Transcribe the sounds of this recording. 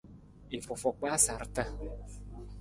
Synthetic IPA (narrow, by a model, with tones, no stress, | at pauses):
e˨fɔ˨fɔ˨k͡pa˦sa˨ɾtə˦